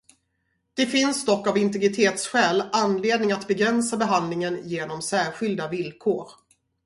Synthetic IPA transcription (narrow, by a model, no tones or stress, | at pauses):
d̪̥ɛfɪnsd̪ɔkːavɪnt̪ɛɡɾɪt̪ʰeːt̪sɧɛːlanːleːd̪nɪŋat̪bɛɡɾɛnsabɛɦand̪lɪŋənjeːnɔmsæːɾɧɪld̪avɪlkʰoːɾ